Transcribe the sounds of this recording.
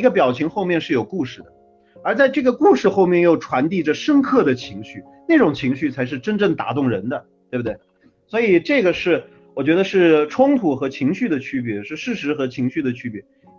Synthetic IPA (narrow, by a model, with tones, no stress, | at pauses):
i˧˥ɡə˧pjɑ˨˩ʊt͡ɕʰi˧˥ŋxo˥˧ʊmjɛ˥˧nʂɻ̩˥˩jo˨˩ʊku˥˧ʂɻ̩˥˩d̪ə˩ | ə˞˧˥t͡sa˥˧ɪʈ͡ʂɤ˥˩ɡə˩ku˥˧ʂɻ̩˥˧xo˥˧ʊmjɛ˥˧njo˥˩ʊʈ͡ʂʰwa˧˥nt̪i˥˩ʈ͡ʂə˩ʂə˥nkʰɤ˥˩d̪ə˩t͡ɕʰi˧˥ŋɕy˥˩ | na˥˩ʈ͡ʂʊ˨˩ŋt͡ɕʰi˧˥ŋɕy˥˩t͡sʰa˧˥ɪʂ̬ɻ̩˥˩ʈ͡ʂə˥nʈ͡ʂɤ˥˩ŋt̪a̰˧˥t̪ʊ˥˩ŋɻə˧˥nd̪ə˧t̪we˥˩bt̪we˥˩ɪ | swɔ˧˥i˨˩ʈ͡ʂɤ˥˩ɡə˩ʂɻ̩˥˩ | wɔ˨˩t͡ɕɥɛ˧˥d̪ə˧ʂɻ̩˥˩ʈ͡ʂʰʊ˥ŋt̪ʰu˧˥xɤ˧˥t͡ɕʰi˧˥ŋɕy˥˩d̪ə˩t͡ɕʰy˥pjɛ˧˥ʂɻ̩˥˧ʂɻ̩˥˩ʂɻ̩˧˥xɤ˧˥t͡ɕʰi˧˥ŋɕy˥˩d̪ə˩t͡ɕʰy˥pjɛ˧˥